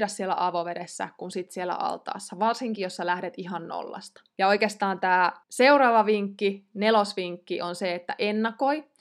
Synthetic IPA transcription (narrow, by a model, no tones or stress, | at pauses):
dɑssielːæ̰ʔɑʋoʋeɾesːæ̰kunsit̪sielæ̰ʔɑ̰lt̪ɑ̰ːsːɑʋɑrsiŋkijosːɑlæhdet̪iɦɑnno̰lːɑ̰st̪ɑ̥jɑoikeːst̪ɑːnt̪æːseuɾɑːʋɑʋiŋkːinelosʋiŋkːiʔonseet̪ːæ̰ʔenːɑko̞i